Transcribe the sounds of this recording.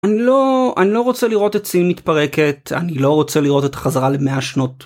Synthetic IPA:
anilo̞anilo̞ʁo̞t͡seliʁo̞tet͡simit̪paʁe̞ke̞ta̰nilo̞ʁo̞t͡seliʁo̞te̞t̪ḁχazaʁalemeaʃno̞t

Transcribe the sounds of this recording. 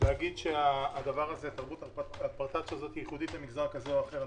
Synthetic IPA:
lehaɡid̪ʃeaːd̪avaʁazet̪aʁbut̪alalpaʁt̪atʃazo̞t̪ijiχud̪it̪lemiɡzakazeoaχeʁ

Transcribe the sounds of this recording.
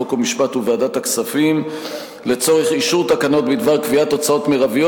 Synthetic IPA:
okomiʃpat̪uveadat̪aksafim | le̞t͡so̞ʁeχiʃuʁt̪akano̞t̪bid̪vaʁkviat̪o̞t͡sao̞t̪meʁavio

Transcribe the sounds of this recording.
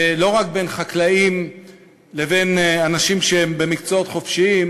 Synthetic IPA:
lo̞ʁak̚be̞nχaklaim | le̞ve̞nanaʃimʃeembe̞mikt͡soo̞t̪χo̞fʃiim

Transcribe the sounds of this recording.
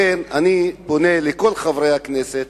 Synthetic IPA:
enaniboneleko̞lχavʁejakneset̪

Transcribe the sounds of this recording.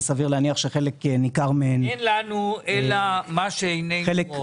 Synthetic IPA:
saviʁleaniaχʃeχeleknikaʁmeenenlanuelamaʃeejneχelek

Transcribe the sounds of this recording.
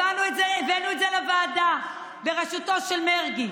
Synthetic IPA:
anuetzeivenuetzelevaːda | beʁeʃuto̞ʃelmeʁɡi

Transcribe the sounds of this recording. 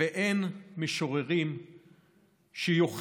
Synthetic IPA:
eʔenmeʃoʁeʁim | ʃejoχ

